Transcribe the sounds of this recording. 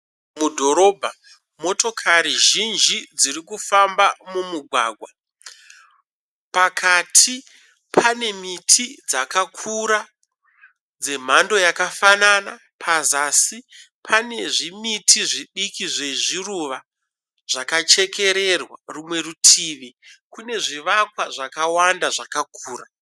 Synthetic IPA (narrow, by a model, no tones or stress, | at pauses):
mudʱo̞ɾo̞ːbʱa | mo̞to̞kʰaɾiʒind͡ʒid͡ziɾikufambamumuɡʱwa̰ːɡʱwa | pakʰatʰi | pʰane̞mitʰid͡zakakʰuɾa | d͡ze̞m̤ando̞jakafanana | pʰazasi | pʰane̞ʐimitʰiʐiɗikiʐe̞ʐiruʋa | ʐ̥akat͡ʃe̞kʰe̞ɾe̞rwarumwe̞rutʰiːʋikune̞ʐiʋakwaʐakawandaʐakakʰuːra